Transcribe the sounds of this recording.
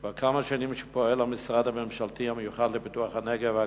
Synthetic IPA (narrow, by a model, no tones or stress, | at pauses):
vakʰamaʃanimʃe̥poelhamisʁad̪hamemʃalt̪ihamejuχad̪lepituaχhaneɡeva